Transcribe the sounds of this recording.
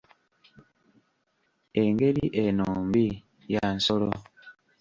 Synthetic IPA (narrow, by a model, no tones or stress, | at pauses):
eŋɡeliʔenoːmbi | jansolo